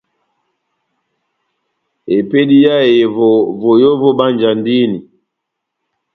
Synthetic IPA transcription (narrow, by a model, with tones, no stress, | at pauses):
e˨pe˦ɗi˦ja˦e˨vɔ˨vɔ˨jɔ˦vɔ˦ɓa˦nd͡ʒa˨ndi˦ni˨